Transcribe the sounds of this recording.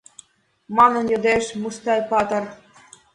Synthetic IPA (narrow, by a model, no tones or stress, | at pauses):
mɑnɤ̆njə̆d̪eʃmust̪ɑjpɑt̪ɤ̆r